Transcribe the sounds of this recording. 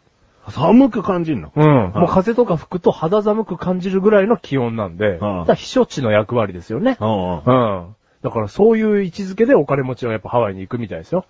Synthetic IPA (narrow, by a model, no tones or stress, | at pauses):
samɯ̟kɯ̟kãɲ̟d͡ʑinːo̰ɯ̟̃moːkaze̞t̪o̞kaɸɯ̥kɯ̟t̪o̞had̪azamɯ̟kɯ̟kãɲ̟d͡ʑiɾɯ̟ɡɯ̟ɾaino̞kʲʰijõ̞nːãnd̪e̞d̪açi̥ɕo̞t͡ɕino̞jakɯ̟βaɾʲid̪e̞sɨjo̞ne̞ɯ̃ | d̪akaɾaso̞ːjɯ̟ːit͡ɕizɨke̞d̪e̞o̞kaɾe̞mo̞t͡ɕiβajapːahaβaiɲ̟iːkɯ̟mʲit̪aid̪esɨjo̞